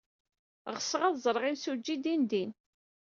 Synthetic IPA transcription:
ʁəsʁæðzˤɾˤʁimsud͡ʒːid̪ind̪in

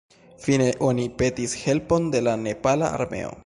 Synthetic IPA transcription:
fine̞ʔo̞nipe̞tishe̞lpo̞nde̞lane̞pala̰a̰ɾme̞̰o̞̰

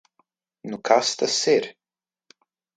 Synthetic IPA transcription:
nukʰast̪asɪɾ

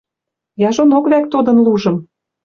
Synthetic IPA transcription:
jɑʒonokβæk̚t̪od̪ɤ̆nluʒɤ̆m

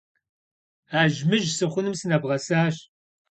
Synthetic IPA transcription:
aːʒmɨʒsɨχʷʊnɨmsɨnɐbʁɐsaːɕ

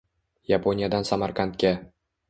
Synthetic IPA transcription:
japʰonʲijad̪ansamaɾqʰant̪̚kʲa

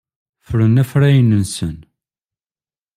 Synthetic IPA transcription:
fɾənæfɾæjənənsən

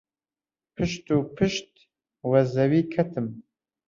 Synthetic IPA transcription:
pʰɨʃt̪uːpʰɨʃt̪̚ | wɐzɐwiːkʰɐt̪ʰɨm

